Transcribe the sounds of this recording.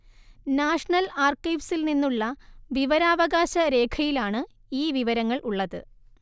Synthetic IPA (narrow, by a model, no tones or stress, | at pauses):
naːʂɳɐlaːrkːɐjʋsilninːuɭːɐʋiʋɐɾaːʋɐɣaːɕɐɾe̞ːkʰɐjilaːɳɨ | iːʋiʋɐɾɐŋːɐɭʔuɭːɐðɨ̰